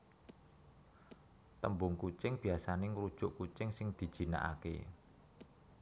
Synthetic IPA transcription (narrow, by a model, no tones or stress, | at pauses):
t̪əmbʊŋkut͡ʃɪŋb̥i̤asaneŋɾud̥ʒ̥ʊ̤ʔkut͡ʃɪŋsɪŋd̪̥i̤d̥ʒ̥i̤na̰ʔa̰kḛ